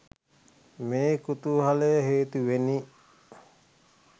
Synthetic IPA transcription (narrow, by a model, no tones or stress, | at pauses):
meːkut̪uɦaleɦeːt̪uʋeni